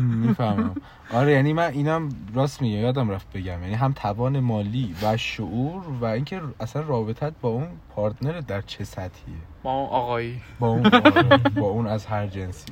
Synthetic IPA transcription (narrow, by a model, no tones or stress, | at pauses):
mifæɾmæm | ʔɒɾejænimæniːnæmɾɒːsmiɟæjɒːd̪æmɾæft̪̚be̞ɟæmjæniːɦæmt̪ʰæbɒːne̞mɒːliːvæʃoʔuːɾvæiːŋcʰe̞æsænrɒːbe̞t̪ʰæt̪̚bɒːunpʰɒːɾt̪ʰne̞ɾed̪æɾt͡ʃʰe̞sæt̪hḭe | bɒuʔɒɣɒibɒːuːn | bɒːuːnæzɦæɾd͡ʒensi̥